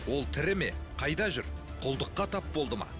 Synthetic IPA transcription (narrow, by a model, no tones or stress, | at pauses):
wo̞lˠt̪ʰɪɾɪme̞qʰɑjd̪ɑʒʏɾqʰʊlˠd̪əqːɑt̪ʰɑp̚bo̞lˠd̪əmɑ̰